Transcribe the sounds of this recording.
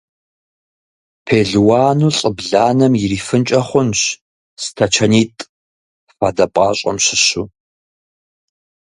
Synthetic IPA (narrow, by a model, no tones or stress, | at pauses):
pʰeːɮwaːnuːɬʼəbɮaːnɐmjɪriːfɨnt͡ʃʼɐχʷʊnɕ | stʰɐt͡ʃʰɐniːtʼ | fadɐpʼɑːɕʼɐ̰mɕɪɕuː